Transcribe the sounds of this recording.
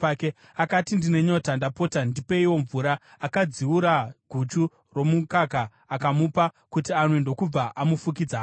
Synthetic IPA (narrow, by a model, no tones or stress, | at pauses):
ake | akatindine̞ɲo̞tandapo̞tandipe̞iwo̞ɱvuɾaː | kad͡ziwuɾaɡʱut͡ʃu | ro̞mukakaː | kamupa | kutianwendo̞kub͡vaʔamufuk̬id͡zaː